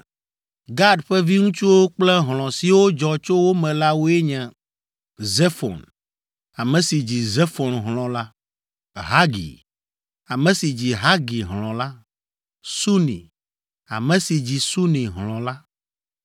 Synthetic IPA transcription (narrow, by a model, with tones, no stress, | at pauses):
ɡa˦ɖɸɛ˦vi˦ŋũ˦t͡ʃu˦wo˦k͡plɛ˦ɦlɔ̃˨si˨wo˦d͡ʒɔ˨t͡ʃo˦wo˦mɛ̃˨la˦wo˦ɛ˦ɲɛ̃˨ | zɛ˦fɔ̰˨n | a˨mɛ̃˨si˨d͡ʑi˨ze˦fɔ˨nɦl̃ɔ̃˨la˦ | ɦa˦ɡḭ˨ | a˨mɛ̃˨si˨d͡ʑi˨ɦa˦ɡi˨ɦlɔ̃˨la˦ | su˦nḭ̃˨ | a̰˨mɛ̃˨si˨d͡ʑi˨su˦nĩ˨ɦlɔ̃˨la˦